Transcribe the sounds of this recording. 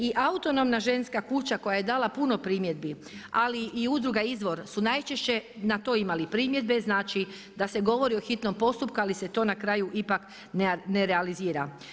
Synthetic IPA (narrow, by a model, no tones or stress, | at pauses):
iʔaut̪o̞no̞mnaʒe̞nskakut͡ɕako̞jaje̞d̪aːlapuno̞pɾiːmje̞d̪̚bi | aliʔiud̪ɾuɡaizʋo̞ɾsunajt͡ʃe̞ʃt͡ɕe̞nat̪o̞imalipɾiːmje̞d̪be̞znaːt͡ʃi | d̪ase̞ɡo̞ʋo̞ɾioxit̪no̞mpo̞st̪up̚kualiset̪o̞ːnakɾaːjuʔipak | nneɾealiziːɾa